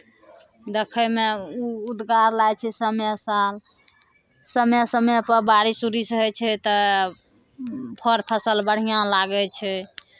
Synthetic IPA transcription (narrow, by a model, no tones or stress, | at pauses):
d̪ekʰəmeuud̪ɡaɾlajt͡ʃʰɛsəmjɛsal | səmɛsəmɛpəɾbaɾisuɾisɦɛt͡ʃʰɛt̪ə | pʰəɾpʰəsəlbəɽ̤ijãlaɡɛt͡ʃʰɛ